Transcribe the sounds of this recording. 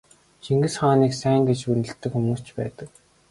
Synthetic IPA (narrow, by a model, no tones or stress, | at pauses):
t͡ɕiŋɡɘ̆sχaːniːksæːŋɡet͡ɕpunɘ̆ɬt̪ːɘ̆kxumuːst͡ɕpæ̰ːt̪ə̆k̚